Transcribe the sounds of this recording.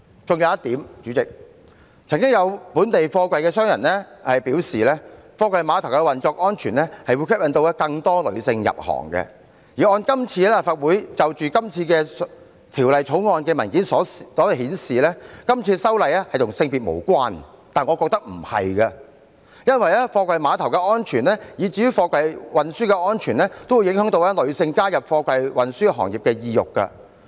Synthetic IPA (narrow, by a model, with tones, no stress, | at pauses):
t͡sʊ˨ŋjɐ˨˧wjɐ˥t̪iː˨˥mt͡ʃyː˨˥t͡sɪ˨k̚ | t͡sʰɐ˨˩ŋkɪ˥ŋjɐ˨˧wpuː˨˥nt̪e˨jfɔː˧kʷwɐ˨jkɛː˧sœː˥ŋjɐ̰˨˩nlɛ˥hɐ˨jpiː˨˥wsiː˨lɛː˥fɔː˧kʷɐ˨jmaː˨˧t̪ʰwkɛ˧wɐ˨nt͡ʃɔː˧k̚ʔɔː˥nt͡ʃʰyː˨˩nlɛ˥hɐ˨jwu˨˧jkʰɪ˥p̚jɐ˨˥nt̪o˧wɛ˥kɐ˧ŋt̪ɔː˥lɵ̰˨˧ɥsɪ˧ŋjɐ̰˨p̚hɔ̰ː˨˩ŋkɛ̰˧ | jiː˨˩ɔː˧nkɐ˥mt͡sʰiː˧lɛ˥˨˩faː˧˩t̚wuː˨˥jt͡sɐ˨wt͡ʃyː˨kɐ˥mt͡sʰiː˧kɛː˧s | t̪ʰiː˨˩wlɐ˨jt͡sʰo˨˥wŋɔː˧nkɛː˧mɐ˨˩nkiː˨˥nsɔː˨˥ssɔː˨˥˧hiː˨˥nsiː˨lɛː˥kɐ˥mt͡sʰiː˧sɐ˥wlɐ˨jɛ˥hɐ˨jt̪ʰʊ˨˩ŋsɪ˧ŋpiː˨t̚mo̰˨˩wkʷaː˥n | t̪aː˨˩nŋɔ˨˧kɔː˧k̚t̪ɐ˥k̚m̩˨˩hɐ̰˨jkɐ˧ | jɐ˥nwɐ˨jlɛː˥fɔː˧kʷɐ˨jmaː˨˧t̪ʰɐ˨˩wkɛː˧ʔɔː˥nt͡ʃʰyː˨˩nlɛː˥jiː˨˧t͡siː˨˧jy˥wfɔː˧kʷɐ˨˧jwɐ˨nsyː˥kɛː˧ɔː˥nt͡ʃʰyː˨˩nlɛː˥t̪o˥wu˧jɪ˨˥ŋɦœː˨˥ŋt̪o˧wɛ˥lɵ˨˧ɥsɪ˧ŋkaː˥jɐ˨p̚fɔː˧kʷɐ˨jwɐ˨nsyː˥ɦɔː˨˩ŋji˨p̚kɛː˧jiː˧jʊ˨kːɐ̰˧